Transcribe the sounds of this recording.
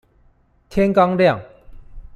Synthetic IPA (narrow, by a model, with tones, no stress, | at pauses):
t̪ʰjɛ˥nka˥ŋlja˥˨ŋ